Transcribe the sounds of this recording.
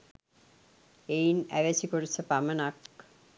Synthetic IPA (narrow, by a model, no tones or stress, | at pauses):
ejnɛ̰ʋet͡ɕikoɾet͡ɕʰepamenak